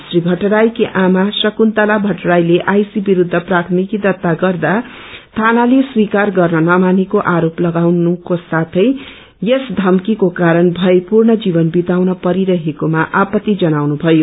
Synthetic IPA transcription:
sribʱʌʈɾajkiʔamasʌkunt̪alabʱʌʈɾajleʔajsibiɾud̪ʱːʌprat̪ʰmikid̪ʌt̪ːaɡʌrd̪at̪ʰanaleswikarɡʌrnʌnʌmanikoʔaɾoplʌɡawnukosat̪ʰʌj | jesd̪ʱʌmkikokaɾʌnbʱʌepurnʌd͡zibʌnbit̪awnʌpʌɾiɾʌɦekomaʔapʌt̪ːid͡zʌnawnubʱʌjo

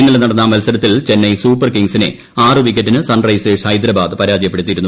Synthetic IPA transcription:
inːɐlɐnɐɽɐnːɐmɐlsɐɾɐt̪ːilt͡ɕe̞nːɐjsuːpːɐrkiŋsine̞̰ | aːrɨʋik̬ːɐtːinɨsɐnrɐjseːʂhɐjd̪ɾɐbaːd̪ɨpɐɾaːd͡ʑɐjɐpːe̞ɽut̪ːiɾunːu

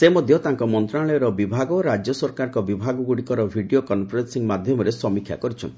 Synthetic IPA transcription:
semod̪ʱjɔt̪aŋkɔmɔnt̪ɾaɭɔjɔɾɔbibʱaɡɔɾad͡ʒjɔsɔɾkaɾɔŋkɔbibʱaɡɔɡuɽikɔɾɔbʱiɖiokɔnpɔɾensiŋmad̪ʱjɔmɔɾesɔmikʰja̰kɔɾit͡ʃʰɔ̰nt̪i

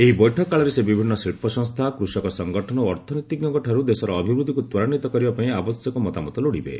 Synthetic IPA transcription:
eɦibɔjʈʰɔkːaɭɔɾesebibʱinːɔsiɭpɔsɔŋst̪ʰakɾusɔkɔsɔŋɡɔʈʰɔnɔoɔɾt̪ʰɔnɔt̪iɡjɔŋkɔʈʰaɾud̪esɔɾɔːbʱibɾud̪ʱikut̪wɔɾanit̪ɔkɔɾibapaĩabɔsjɔkɔmɔt̪amɔt̪ɔloɽibḛ

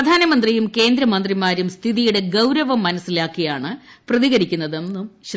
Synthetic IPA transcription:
d̪ʱaːnɐmɐnd̪rijumke̞ːnd̪ɾɐmɐnd̪rimaːɾumst̪ʰiðijuɽe̞ɡɐwɾɐʋɐmːɐnɐsilaːkːijaːɳɨ | prɐðiɣɐɾikʲːunːɐðemnɨmɕ

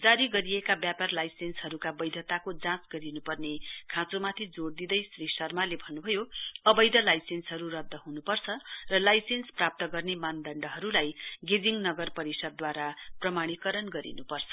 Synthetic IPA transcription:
d͡zaɾiɡʌɾiekabjaparlajsenshʌɾukabʌjd̪ʱʌt̪akod͡zãt͡sɡʌɾinupʌrnekʰãt͡somat̪ʰid͡zoɽd̪id̪ʌjsrisʌrmalebʱʌnːubʱʌjoʌbʌjd̪ʱʌlajsensɦʌɾurʌd̪ʱːʌɦunupʌrt͡sʰʌrʌlajsensprap̚t̪ʌɡʌrnemand̪ʌɳɖʌɦʌɾulajɡed͡ziŋnʌɡʌrpʌɾisʌd̪ːwaɾaprʌmaɽ̃ikʌɾʌnɡʌɾḭnupʌrt͡sʰʌ̥

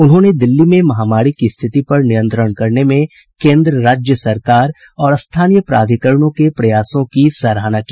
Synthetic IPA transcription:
ʊnɦõːned̪ɪlːimẽmɐɦaːmaːɾikist̪ʰɪt̪ipɐɾnɪjə̃nt̪ɾəɽkɐɾnemẽ | kẽːnd̪ɾəɾaːd͡ʒjəsɐɾkaːɾ | ɔːɾɐst̪ʰaːnijəpɾa̰ːd̪ʱikəɾɳ̃õkepɾɐjaːsõkisɐːɾaːnakiː

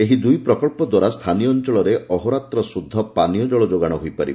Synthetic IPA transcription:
eɦid̪ujpɾɔkɔɭpɔd̪waɾast̪ʰanijɔnt͡ʃɔɭɔɾeɔɦoɾat̪ɾɔsud̪ʱːɔpanijɔd͡ʒɔɭɔd͡ʒoɡaɽ̃ɔɦojpaɾḭb

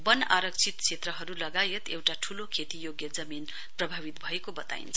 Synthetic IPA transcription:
bʌna̰ɾʌk̚t͡sʰit̪t͡sʰet̪rʌɦʌɾulʌɡajet̪ewʈaʈʰulokʰet̪ijoɡjʌd͡zʌmin | prʌbʱabit̪bʱʌekobʌt̪a̰ḭnt͡sʰʌ

